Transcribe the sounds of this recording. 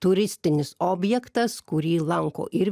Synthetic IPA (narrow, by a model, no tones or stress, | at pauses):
t̪ʊɾʲɪsʲt̪ʲɪnʲɪsoːbʲjɛkt̪ɐskʊɾʲiːlˠɐŋko̰ːʔɪɾʲ